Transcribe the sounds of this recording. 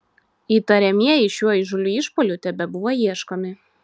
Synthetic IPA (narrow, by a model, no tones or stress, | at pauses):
iːt̪ɐɾʲɛmʲiɛjɪʃʲuɔɪʒʊlʲuɪʃpoːlʲʊt̪ʲɛbʲɛbʊʋojiɛʃkoːmʲɪ